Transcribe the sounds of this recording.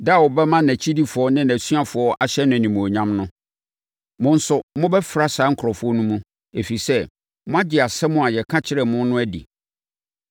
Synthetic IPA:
dwɔ˨bɛ˦mã˦næ̃˨t͡ɕʰi˦di˦fʊ˨ɔ˦nɪ̃˦næ˨sɥa˦fʊ˨ɔ˦ʔa˨ɕɛ˦nʊ̃˨nĩ˨mũ˨ɔ˨ɲã˦mnʊ̃˦ | mʊ̃˦n̩˦sʊ˨mʊ̃˦bɛ˦fɾa˦saː˨˦ŋ̩˦kʰɾɔ˨fʊ˨˦ɔ˦nũ˦mũ˦ | e˨fi˨sɛ˦ | mʊ̃˦a˦d͡ʑɪ˨a˨sɛ˦mʊ̃˦a˨jɛ˨kʰã˦t͡ɕʰɪ˦ɾɛ˨mʊ̃˦nː˦ʊ̃˦æ˦dḭ˨

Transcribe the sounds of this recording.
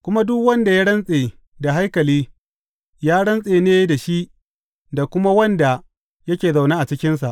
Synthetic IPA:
kʷʊ˦ma˦dʊ˦kwɐ˦nda˨ja˦ɽɐ˦nsʼeː˨ | da˨ɦa˦jkɐ˨liː˦ | jaː˦ɽɐ˦nsʼeː˨neː˦da˨ʃi˦ʔ | da˨kʷʊ˦ma˦wɐ˦nda˨ | jɐ˦kʲeː˨za˨wnaː˦ʔa˨t͡ʃɪ˦kʲɪ˦nsa˨ʔ

